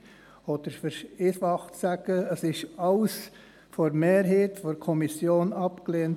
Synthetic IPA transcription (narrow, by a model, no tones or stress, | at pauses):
ɔd̥əɾfəɾɪsʋɑχtsæɡ̥əəsɪʃɑls | fɔɾmeːɾɦeːtfɔɾkʰɔmisjoːnɑpkleːnt